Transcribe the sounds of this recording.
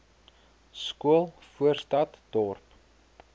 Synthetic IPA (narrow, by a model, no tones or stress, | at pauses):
skuəlˠfuərstɐtd̥ɔrp